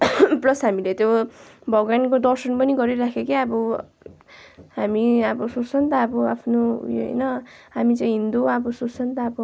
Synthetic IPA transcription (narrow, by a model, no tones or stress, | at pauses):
plʌsɦamilet̪jobʱʌɡwankod̪ʌrsʌnpʌniɡʌɾiɾakʰekeʌbʌ | ɦamiʌbʌsot͡sʰʌnt̪ʌːbʌa̰pʰnojo̰ɦʌ̰jnʌɦamit͡saĩɦind̪uʌbʌsot͡sʰʌnt̪ʌːbʌ